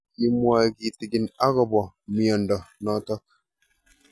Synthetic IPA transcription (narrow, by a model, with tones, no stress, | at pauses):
ki˨mwa˨ɡi˨ti˨ɡi˨na˦ɣɔ˨bɔ˨mi˨ɔ˨ndɔ˨nɔ˨˦tɔ˦k̚